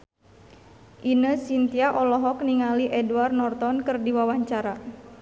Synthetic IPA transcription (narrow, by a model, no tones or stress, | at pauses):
ʔinəsint̪iaʔɔlɔɦɔk̚niŋaliʔɛduarnɔrt̪ɔnkɨrdiwawaɲt͡ʃaɾa